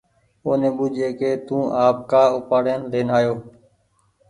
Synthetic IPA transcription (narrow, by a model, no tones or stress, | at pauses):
oːnẽːɓʊd͡ʒʱeːkeːt̪ũːʔaːp̚kaːʊpaːɽeːnleːnaːjoː